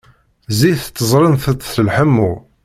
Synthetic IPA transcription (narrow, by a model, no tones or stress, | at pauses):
ziθt̪ːəzˤɾˤənθət̪θəlħəmːu